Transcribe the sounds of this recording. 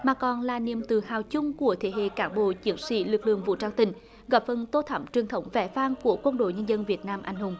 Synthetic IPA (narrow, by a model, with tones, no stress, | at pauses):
maː˨˩kɔ˨˩nlaː˨˩ni˨˩əmt̪ɨ˨˩haː˨˩wt͡ɕʊ˧ŋ͡mku˧˩ət̪ʰe˧˦ɦḛ˧˨kaː˧˦nɓo̰˧˨t͡ɕi˨˦ənsḭ˧˥lɨ˨˩k̚lɨ̰˧˨əŋvṵ˧˨t͡ɕaː˧wŋt̪ï˧˩ŋ̟ | ɣɔ˨˧˩p̚fə˨˩nt̪o˧t̪ʰə˧˩˦ŋ͡mt͡ɕwi˨˩əŋt̪ʰə˨˧˦wŋ͡mvɛ˧˩faː˧nku˧˩əkwə˧nɗo̰˧˨jɲə˧nzə˧nvi˨˩ət̚naː˧mʔa˧jŋ̟hʊ˨˧˩ŋ͡m